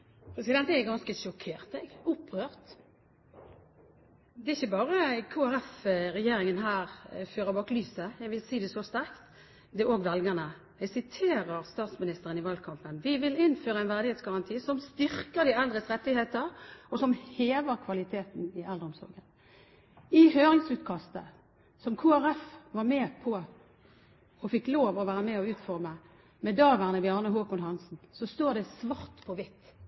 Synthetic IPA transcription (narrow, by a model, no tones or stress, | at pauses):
pʰɾɛsɪd̪ɛnt̪əɛɡɑnskəʃɔkʰeːʁt̪ɛɡʊpʰːʁøːʁt̪ | d̪ɛɪçːəbɑːɾəkʰoːæɾɛfɾɛjeːɾɪŋənɦæːɾføːɾəbɑːklyːsəjæɡʋɪlsiːd̪ɛsɔst̪æʁkt̪ | d̪ɛʔoːɡʋɛlɡənə | ɛɡsɪt̪ʰeːɾəɾst̪ɑːt̪smɪnɪst̪əɾʁənɪʋɑːlkʰɑmpənʋɪʋɪlɪnføːɾəɛnʋæʁd̪ɪheːt̪sɡɑʁɑnt̪ʰiːsɔmst̪ʏɾkəʁd̪ɪɛld̪ʁəsʁɛt̪ːɪheːt̪əɾɔsɔmheːʋəɾkʰʋɑlɪt̪ʰeːt̪n̩ɪɛld̪əʁɔmsɔ̰ɡən | ɪhøːʁɪŋsʉːt̪kʰɑst̪ə | sɔmkʰoːæʁɛfʋɑʁmɛːpʰɔ | ɔfɪkːloːʋɔʋæːɾəmɛɔʉːt̪fɔʁmə | mɛd̪ɑːʋæʁnəbɪɑːʁnəɦoːkʊnɦɑnsn̩sɔst̪oːʁd̪ɛsʋɑʁt̪pʰɔʋɪt̪ː